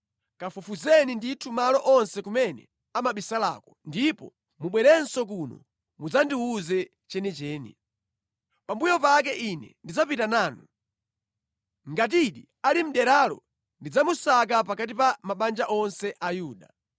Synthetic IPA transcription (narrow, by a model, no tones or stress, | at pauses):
kafufuzɛninditʰumalɔʔɔnsɛkumɛnɛ̰ | amaɓisala̰ːkɔndipɔ̰ | muɓwɛɾɛnsɔk̬unɔ̰ | mud͡zandiuzɛ | t͡ʃɛnɛt͡ʃɛːnḭ | pambujɔpak̬ɛʔinɛ̰ndid͡zapitanaːnu | ŋɡat̬iɗi | alim̩ɗɛɾalɔ̰ | ndid͡zamusak̬ap̬akat̬ipamaɓand͡ʒaʔɔnsɛʔajuːɗa̰